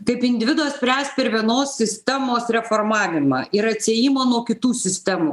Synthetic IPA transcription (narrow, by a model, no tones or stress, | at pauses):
kɐɪpɪnʲd̪ʲɪʋʲɪd̪oːssʲpʲɾʲæːst̪pʲɛɾʋʲiɛnoːssʲɪsʲt̪ʲɛmoːsɾʲɛfoːɾmɑːʋʲɪmɑ̰ːɪɾɐt̪ʲsʲeɛjimoːnuɔkʲɪt̪uːsʲɪsʲt̪ʲɛmuː